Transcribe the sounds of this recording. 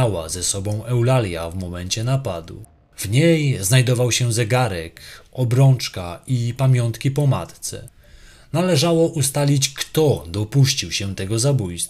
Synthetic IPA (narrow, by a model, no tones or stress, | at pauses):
awa̰zɛsɔbɔ̃w̃ʔɛwlalʲja̰vmɔmɛɲt͡ɕɛnapad̪ṵ | vɲejznajd̪ɔvawɕɛzɛɡaɾɛkɔbɾɔnt͡ʂkaipamʲjɔnt̪kʲipɔma̰t̪t̪sɛ̰ | nalɛʐawɔʔust̪alʲit͡ɕkt̪ɔd̪ɔpuɕt͡ɕiwɕɛt̪ɛɡɔzabujst̪